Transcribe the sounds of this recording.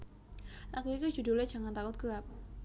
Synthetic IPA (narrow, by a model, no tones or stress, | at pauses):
lakuik̪ud͡ʒudulɛ̥d͡ʒa̤ŋant̪akʊt̪̚ɡ̥əlap̚